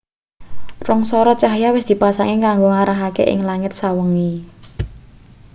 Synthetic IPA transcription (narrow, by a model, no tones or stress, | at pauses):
rɔŋsɔɾɔt͡ʃaɦjawɪsd̪̥i̤pasaŋekaŋɡoŋaɾaɦakḛʔɪ̰ŋlaŋɪt̪̚sawəŋi